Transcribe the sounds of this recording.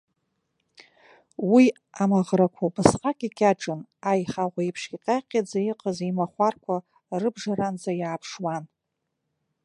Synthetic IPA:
wi | amaʁrakʷʰabɨsqʼakʲʼikʲʼaʈ͡ʂʼɨnajχaʁʷaipʰʂkʲiqʲʼaqʲʼad͡zajiqʼazimaχʷarkʷʰa | rɨbʐaɾand͡zajaːpʰʂwan

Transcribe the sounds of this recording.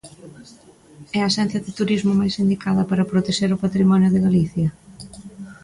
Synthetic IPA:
ɛɐsɛ̃n̟θjɐðɪt̪uɾizmʊmajsind̪ikaðɐpaɾɐpɾot̪eʃeɾʊpat̪ɾimɔnjʊðɪɣaliθjɐ

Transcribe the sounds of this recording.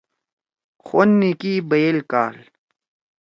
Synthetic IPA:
xonːikibɐjelkaːl

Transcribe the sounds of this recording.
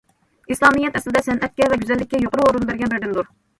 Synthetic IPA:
islˠɑmɨjɛt̪ʰɛslɪd̪ɛsɛnɛt̪̚kʲɛvɛɡʲyzɛlːɪkʲːɛjoqʊɾɨoɾunbæɾɡʲɛnbɪɾd̪ɪnd̪uɾ

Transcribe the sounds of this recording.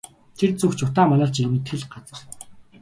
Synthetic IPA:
t̪ʰert͡sɵxt͡ɕʊt̪aːmanăːɮt͡ɕimɘ̆nt̪ʰeɮɢat͡sə̆r

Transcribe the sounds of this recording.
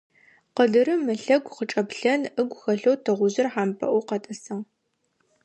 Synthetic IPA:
qəɮɨɾɨmɨɬɐɡʷqət͡ʃʼɐpɬɐnɨɡʷxɐɬowtʰɐʁʷʊʑɪrħaːmpʰɐ̰ʔʷuqɐtʼɐsɐʁ

